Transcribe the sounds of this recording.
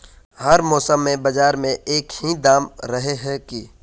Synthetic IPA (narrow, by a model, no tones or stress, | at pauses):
hɐɾmɔːsəmːẽbɐd͡ʒaːɾmẽʔeːkhid̪aːmɾɐɦeɦɛki